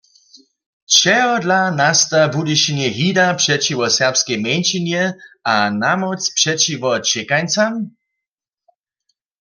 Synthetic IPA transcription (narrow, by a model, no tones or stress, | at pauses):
t͡ʃɛɦɔdlanast̪abudiʃinjɛɦidapʂɛt͡ʃiʋɔsɛʁpskɛjmɛnt͡ʃinjɛanamɔt͡spʂɛt͡ʃivɔt͡ʃɛkajnt͡sam